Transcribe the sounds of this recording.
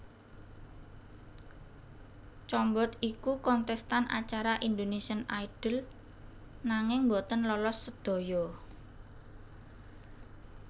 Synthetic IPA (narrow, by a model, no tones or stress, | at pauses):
t͡ʃɔmbɔt̪ikukɔnt̪ɛst̪anʔa̰t͡ʃaɾaʔind̪onesiənaiɖ̥ə̤l | naŋɪŋmbot̪ənlɔlɔsːəd̪̥o̤jɔ